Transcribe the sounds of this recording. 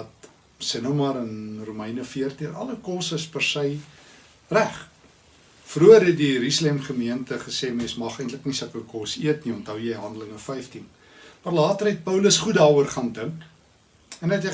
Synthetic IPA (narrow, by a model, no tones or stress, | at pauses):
ɐt | sənomɐɾənrumɛjnəfiərtiənɐ̰ləkɔsəspərsəj | ræχ | fruərɦɛt̚diɾyslɛmχəmiəntəχəseːmesmɐχəjntləknisɐkəkɔsiətniɔntɦəwjəjɦɐndələŋəfɛjftin | mɑrlɑːtərɦɛt̚pəwləsχutdɑːuərχɑːndəŋk | ɛnɛtɛ